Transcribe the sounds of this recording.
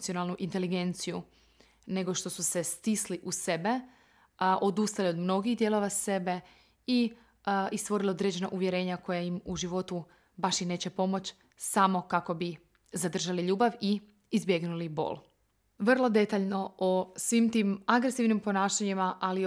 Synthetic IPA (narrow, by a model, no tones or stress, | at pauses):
t̪sionalˠnuʔint̪e̞liɡe̞nt̪siju | ne̞ɡo̞ʃt̪o̞suse̞st̪isliʔuse̞be̞ | ʔo̞d̪ust̪alio̞d̪mno̞ɡiɣd̪je̞lo̞ʋase̞be̞ | i | ist̪ʋo̞ɾiliod̪ɾe̞d͡ʑe̞na̰ʔuʋjeɾe̞ːɲako̞jajimuʒiʋo̞t̪u | baʃjine̞ːt͡ɕe̞po̞mo̞t͡ɕ | samo̞kako̞bi | zad̪r̩ʒaliʎuːbaʋiː | zbje̞ɡnulibo̰l | ʋr̩lˠo̞d̪e̞t̪aʎno̞osʋiːmt̪iːmaɡɾesiʋnimpo̞naːʃaɲimaʔali